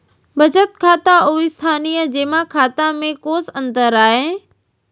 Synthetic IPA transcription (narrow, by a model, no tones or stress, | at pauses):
bɐd͡ʑət̪kʰaːt̪aʔuːɪst̪ʰaːniːjəd͡ʑeːmãkʰaːt̪ãmẽkoːsə̃nt̪əɾaːɦẽː